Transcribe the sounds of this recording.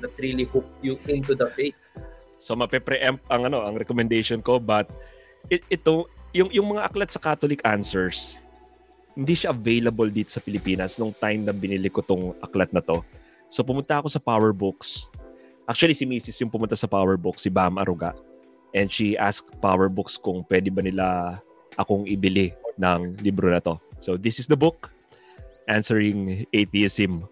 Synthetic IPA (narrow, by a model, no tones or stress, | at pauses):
d̪ɐt̪ɾilihuk̚juɪ̃nt̪ud̪ɐpe | so̞mɐpɛpɾɛʔɛmp̚ʔɐŋʔɐno̞ʔɐŋɾɛkomɛnd̪ejʃonko̞bɐt̪̚ | ɪɛt̪ojʊŋjʊŋmɐŋaʔɐklat̪̚sɐkaːt̪olɪkansɛɹs | hɪnd̪iʃaʔɐvejlɐbold̪iːt̪o̞̥sɐpɪlɪpiːnɐsnoŋt̪ajmnɐbɪnɪlɪkot̪oŋʔɐ̰klɐt̪̚nɐt̪o̞ | so̞pʊmʊnt̪ɐʔɐko̞sɐpawɛɹbʊksʔak̚t͡ʃʊɐlisɪmiːsɪsjʊŋpʊmʊnt̪asɐpawɛɹbʊksːɪbamʔɐ̰ɾuɡa̰ʔ | ʔɛnd̪ʃiʔask̚pawɛɹbʊkskʊŋpwɛd̪ɪbɐnɪla | ʔɐko̞ŋʔɪbɪlɪnɐŋlibɾonɐt̪o̞sod̪ɪsɪsd̪ɐbʊk | ʔansɛɹɪŋʔeθiɪsɪm